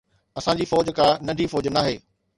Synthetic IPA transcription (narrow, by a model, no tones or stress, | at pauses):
ɐsãːd͡ʑiːfɔːd͡ʑkʰãnɐɖʱifɔːd͡ʑnaːɦḛː